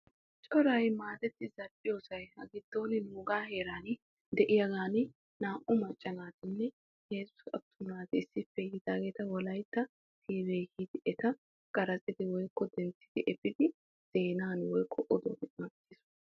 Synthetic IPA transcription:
t͡ʃʼɔɾɐjmaːt̪ɛt̪ːɪzɐpʼːɪjoːsɐjhɐ̰ɡɪd̪ːo̞ːnɪnuːɡaːɦe̞ːɾaːn | d̪ɛʔɪjɐɡaːnɪ | naːʔʊmɐt͡ʃʼːɐnaːt̪ɪnːɛ | jeːsʊsɐ̰bt̪ʰʊnaːt̪ɪɪsːɪfːɛjɪd̪aːɡe̞ːt̪ɐwɔlɐjt̪ːɐ | t̪ʰiːbeːhɪd̪ɪʔɛt̪ɐ | kʼɐɾɐt͡sʼɪd̪ɪwɔjkːɔd̪ɛntːɪd̪̥ɪʔɛpːɪd̪ɪ | z̥eːnaːnwɔjkʰːɔʔɔd̪oːɡ̪ɪmɐt̪ːiːsʊ

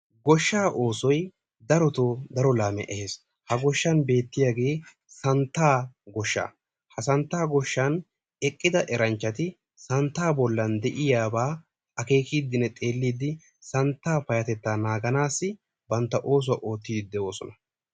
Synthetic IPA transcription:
ɡɔʃːaːʔo̞ːsɔj | d̪ɐɾɔt̪oːd̪ɐɾɔlaːmɛ̰ʔɛheːs | hɐɡɔʃːɐnbe̞ːt̪ːɪjaːɡe̞ː | sɐnt̪ːaːɡɔʃːa̰ː | hɐsɐnt̪ːaːɡɔʃːan | ɛkʼːɪd̪ɐʔɛɾɐnt͡ʃːɐt̪ɪ | sɐnt̪ːaːbɔlːɐnd̪ɛʔɪjaːbaː | ɐke̞ːkiːd̪ɪnɛt̪ʼe̞ːlːiːd̪ɪ | sɐnt̪ːaːfɐjɐt̪ɛt̪ːaːnaːɡɐnaːsːɪ | bɐnt̪ːɐʔo̞ːs̬ʊwɐ̰ʔoːt̪ːiːd̪d̪ːɛwo̞ːsɔnɐ

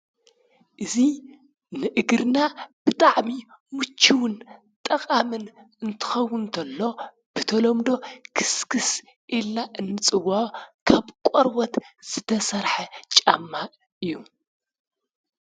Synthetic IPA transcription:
ʔɨzi | nɨʔɨɡɾɨnab̥ɨt̪ʼaʕmi | mut͡ʃʰːiwʊn | t̪ʼɐkʼamɨn | ɨnt̪ʰɨ̥xɐwːʊnt̪ʰɐlːo̞ | b̥ɨt̪ʰɐlomd̪o̞kʰɨ̥skʰɨs | ʔilnaʔɨnːɨt͡sʼɨwaʕokʰaβkʷʼoɾwɔt̪z̥ɨt̪ʰɐsɐɾħɐt͡ʃʼamːa | ʔɨjːu

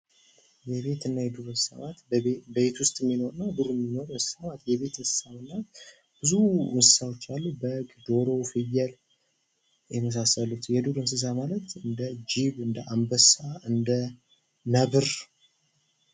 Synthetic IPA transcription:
jɛβe̞t̪ɨnːajɛd̪uɾɨssa̰mat̪bəβe̞t̪wʊst̪ʼmːino̞ɾɨnːad̪uɾɨmːino̞ɾɨnsɨ̥samat̪jɛβe̞t̪ɨnsɨ̥samɨnːa | b̥ɨzuɨnsɨ̥sawo̞t͡ʃːalːubəɡʼd̪o̞ɾo̞fɨjːɛl | jɛməs̬asəlut̪jɛd̪uɾɨmns̬ɨs̬amalət̪ɨnd̪əd͡ʒiβɨnd̪əʔambəsaɨnd̪ə | nəβɨɾ

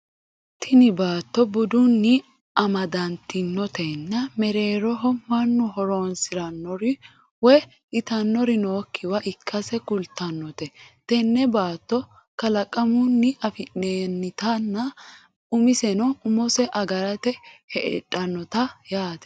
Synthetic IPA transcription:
t̪ʰɪnɪbaːt̪ːɔbʊd̪ʊnːɪ | ɐmɐd̪ɐnt̪ːɪnːɔt̪ɛnːɐmɛɾe̞ːɾɔɦɔmɐnːʊɦɔɾoːnsɪɾɐnːɔɾɪ | wɛ | ɪt̪ɐnːɔɾɪnoːkʰːɪwɐʔɪkʰːɐsɛkʊlt̪ːɐnːɔt̪ɛt̪ɛnːɛbaːt̪ːɔ | kɐlɐkʼɐmʊnːɪʔɐfɪneːnːɪt̪ɐnːɐ | ʊmɪsɛnɔʊmɔsɛʔɐɡɐɾɐt̪ɛhɛʔɛ̰ᶑʼɐnːɔt̪ɐjaːt̪ɛ̥

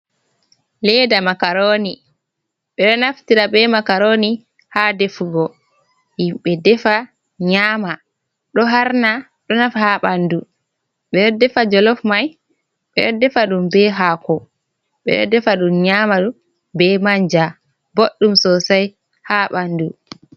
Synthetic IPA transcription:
lɛdamakaɾoni | ɓɛɗɔnaftiɾabɛmakaɾoni | hadefɡɔ | himɓɛdɛfa | ɲaːma | ɗɔɦaɾna | ɗɔnafahaɓandu | ɓɛjɔdɛfad͡ʒɔlɔfmaj | ɓɛ̰ɗɔdɛfaɗumbɛɦakɔ | ɓɛ̰ɗɔdɛfaɗumɲamaɗu | bɛmaɲd͡ʒa | boɗːumsɔsaj | haɓandu

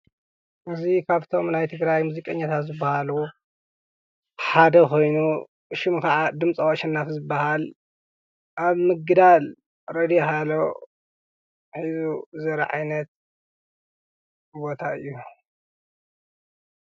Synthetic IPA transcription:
ʔɨzikʰaβt̪ʰo̞mnajt̪ʰɨɡɾajmuzikʼɐɲːat̪ʰat̪zɨbːahalu | ħad̪ɐko̞jnu | ʃɪmkʰɐʕad̪ɨmt͡sʼɐwɐʃɐnːafzɨbːahal | ʔaβmɨɡd̪al | ɾɐd̪ijɦalo | ħizuzɐɾɐ̰ʕa̰jnɐt̪̚ | bo̞t̪ʰaɨjːu

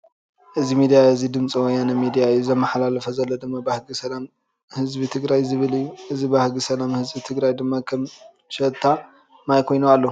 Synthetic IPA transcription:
ʔɨzimid̪ijaɨzid̪ɨmt͡sʼiwɔjːanɐmid̪ijajuzɐmːaħlalɐfɐzɐlːod̪ɨmːabahɡisɐlam | hɨzbit̪ʰɨɡɾajzɨβɨlɨjːuʔɨzibahɡisɐlamhɨzbit̪ʰɨɡɾajd̪ɨmːakʰɐm | ʃɐt̪ʰːa | majkʰo̞jnualːo

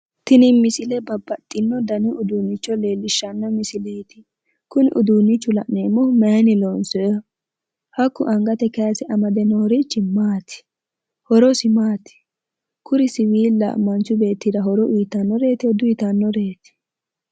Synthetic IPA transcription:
t̪ɪnɪmɪsɪlɛbɐbːɐt̪ʼːɪnːɔd̪ɐnɪʔʊd̪unːɪt͡ʃːɔleːlːɪʃːɐnːɔmɪsɪlejt̪ɪ | kʊnɪ̰ʔʊd̪uːnːɪt͡ʃːʊlɐ̰ʔneːmːɔmɐnɪloːnsɔjɔ | hɐkːʊʔɐŋɡɐt̪ɛkɛjasɛʔɐmɐd̪ɛnɔːɾit͡ʃːɪmaːt̪ɪ̥ | hɔɾɔsɪmaːt̪ɪ̥ | kʊɾɪsɪwiːlːɐ̰mɐnt͡ʃːʊbe̞ːt̪ːid̪ɐɦɔɾɔʔijːt̪ːɐnːɔɾe̞ːt̪ɛd̪ʊɪt̪ɐnːɔɾeːt̪ɪ̥

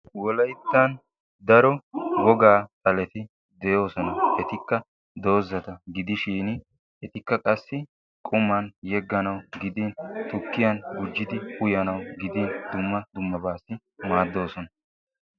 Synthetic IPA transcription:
wɔlɐjt̪ːan | d̪ɐɾɔɡɔɡaːt̪ʼɐlɛt̪ɪ | d̪ɛjo̞ːsɔnɐʔɛt̪ɪkːɐ | d̪o̞ːzːɐt̪ɐɡɪd̪ɪʃiːn | ʔɛt̪ɪkːɐkʼɐsːɪ | kʼʊmɐnjɛɡːɐnɐwɡɪd̪iːnt̪ʊkːɪjɐnɡʊd͡ʒːɪd̪ɪʊjɐnɐwɡɪd̪iːnd̪ʊmːɐd̪ʊmːɐbaːsːɪ | maːd̪ːo̞ːsɔnɐ

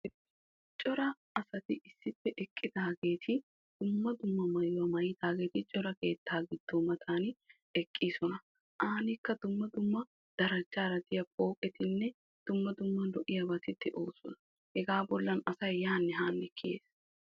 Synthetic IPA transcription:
t͡ʃʼɔɾɐ | ɐsɐt̪ɪʔɪsːɪpːɛʔɛkʼːɪd̪ɐɐɡe̞ːt̪ʰɪ | d̪̥ʊmːɐd̪ʊmːɐmɐjʊwɐmɐjɪd̪aːɡeːt̪ɪt͡ʃʼɔɾɐke̞ːt̪ʰːaːɡɪd̪̥ːɔmɐt̪ʰaːnɪ | ɛkʼːiːsɔnɐ | ʔaːnɪkːɐd̪ʊmːɐd̪ʊmːɐ | d̪̥ɐɾɐd͡ʒːaːɾɐd̪ɪjɐpʼo̞ːkʼɛt̪ɪnːɛ | d̪̥ʊmːɐd̪ʊmːɐlɔʔɪjɐbɐt̪ɪt̪ːɪʔoːsɔnɐ | hɛɡaːbɔlːɐnɐsɐjjaːnːɛɦaːnːɛkːɪjḛːs

